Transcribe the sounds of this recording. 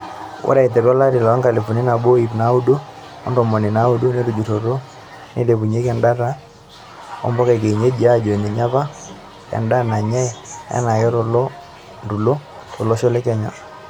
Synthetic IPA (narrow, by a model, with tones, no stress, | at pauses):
wʔo̰˦ɾa˨i˨te˨ɾɔ˦la˦ɾi˨la˨a˦ŋka˨le˨fu˨ni˦na˨bo˦i˨pna˨˦u˦du˦ | ɔ̰˦ndɔ˨mɔ˨ni˨na˨˦u˦du˦ne˦ɾu˨d͡ʒu˨to˨ɾo˦ | nʔe˦le˨pu˨ɲe˦kɛ˨nda˦ɾa˦ | ɔ̰˦mbɔ˦ka˨k̬e˨i˨ɲe˦d͡ʒi˨a˦˨d͡ʒo˨e˨ni˨ɲa˦βa˦ | kɛ̰˨nda˦na˨ɲɛ˦a̰˦na˨kɛ˦ɾɔ˨lɔ˦ | ndu˨lo˦ | to˨lɔ˦ʃɔ˦lɛ˦kɛ˦ɲa̰˨